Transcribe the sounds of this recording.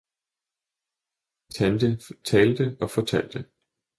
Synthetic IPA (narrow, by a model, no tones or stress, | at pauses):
t͡sʰænd̥ət͡sʰɛːld̥əɒ̽fɒ̽t͡sʰæl̰d̥ə